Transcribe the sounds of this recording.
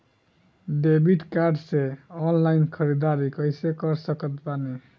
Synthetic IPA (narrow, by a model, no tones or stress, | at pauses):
ɖebiʈkaɾɖseɔnlajnkʰʌɾid̪aɾikʌjsekʌɾsʌkʌt̪pani